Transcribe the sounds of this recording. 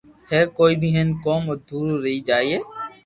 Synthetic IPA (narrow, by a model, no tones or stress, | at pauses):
hɛːkoːiːbiːɦənkoːmod̪ʱuːɾɾəiːd͡ʒaːieː